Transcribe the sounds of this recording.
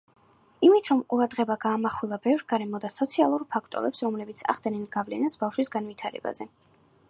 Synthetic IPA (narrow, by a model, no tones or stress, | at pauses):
imit̪ʰɾɔmuɾad̪ʁɛbaɡaːmaχwilˠabɛvɾɡ̥aɾɛmɔd̪asɔt̪sʰialˠuɾpʰakʰt̪ʼɔ̰ɾɛpsɾɔmlɛbit̪sʰa̰ʁd̪nɛnɡavlɛnasbafʃwisɡanvit̪ʰaɾɛ̰ba̰zɛ